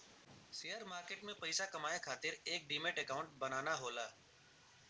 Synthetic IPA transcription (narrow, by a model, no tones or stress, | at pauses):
sijəɾmaːɾkeːʈmẽpəɪsakəmaːjekʰaːt̪ɪɾeːk̚ɖiːmeːʈekaːʊ̃ɳʈ̚bənaːnaɦoːlaː